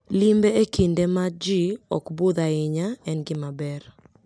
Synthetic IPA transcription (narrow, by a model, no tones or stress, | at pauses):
limbeekindemad͡ʒiɔkbud̪aɪɲaɛnɡɪmabɛr